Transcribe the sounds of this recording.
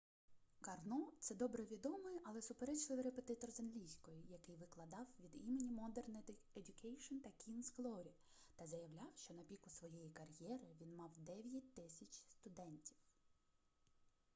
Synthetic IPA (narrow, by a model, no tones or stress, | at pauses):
kɐrnɔt̪sɛd̪ɔbɾɛʋʲid̪ɔmɔjɛʔɐlˠɛsʊpeɾɛt͡ʃlˠɪʋʲɾepe̞t̪ɪt̪ɔrzɐnlʲijsʲkɔjʊjɐkɪjʋɪklˠɐd̪ɑwʋʲid̪imenʲimɔd̪ɛrneedʲʊkɛjʃɔnt̪ɐkʲʰinsklˠɔɾʲi | t̪ɐzɐjɐwlʲɑwʃt͡ʃɔnɐpʲikʊsʋɔjɛjikɐrjɛɾɪʋʲinmɑwd̪ɛʋʲjɐt̚ʲt̪ːɪsʲɐt͡ʃʲst̪ʊd̪ɛnʲtʲi̥w